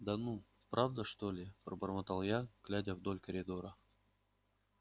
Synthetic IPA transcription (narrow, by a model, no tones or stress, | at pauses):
d̪anu | pɾʔavd̪əʂt̪olʲɪpɾəbərmɐt̪alˠjaɡ̥lʲadʲəvd̪olʲkəɾʲɪd̪oɾə